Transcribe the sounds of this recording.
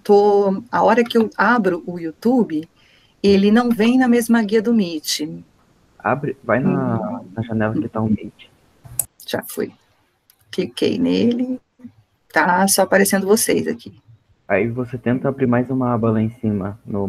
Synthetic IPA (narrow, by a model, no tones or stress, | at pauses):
t̪oa̰ɔɾɐkɪewabɾʊʔʊjut̪ubɪ | elɪnɐ̃w̃vẽj̃nɐmezmɐɡiɐd̪ʊmit͡ʃɪ | a̰bɾɪvajnɐnɐʒanɛlɐkɪt̪aʊmit͡ʃɪ̥ | ʒ̥a̰fo̰j | fikḛjnelɪ | t̪asɔapaɾesẽnd̪ʊvosejza̰kʰi̥ | aivoset̪ẽnt̪ɐabɾiɾmajzũmɐabɐlɐẽsĩmɐnʊ